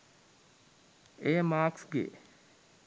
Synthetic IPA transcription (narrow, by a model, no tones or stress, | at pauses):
ejəmaːksɡḛ